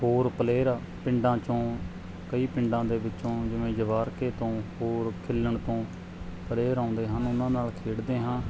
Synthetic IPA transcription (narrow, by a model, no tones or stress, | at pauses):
ɦoːɾpəleːɾaː | pɪ̃ɳɖãːt͡ʃõː | kəiːpɪ̃ɳɖãːd̪eːʋɪt͡ʃːõːd͡ʒɪʋẽːd͡ʒəʋaːɾkeːt̪õːhoːɾkʰɪlːəɳt̪õː | pəleːɾãːnd̪eːɦə̃nʊnãːnaːlkʰeːɽd̪eːɦãː